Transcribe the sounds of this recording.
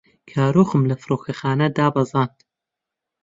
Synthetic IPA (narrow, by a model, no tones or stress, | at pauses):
kʰaːɾoːxɨmlɐfɨɾoːkʰɐxaːnɐd̪aːbɐzˤɑːnt̪